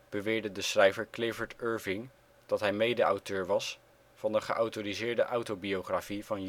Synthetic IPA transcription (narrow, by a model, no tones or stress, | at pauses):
b̥əʋɪːɹdədəsrɛjvəɹklɪvəɹtøːɹvɪŋ | d̥ɑtɦɛjmejdəɑ̰wtøːɹʋɑs | vɑndəχəʔɑwtoːrizɪːɹdəʔɑwtobioχrafiv̥ɑn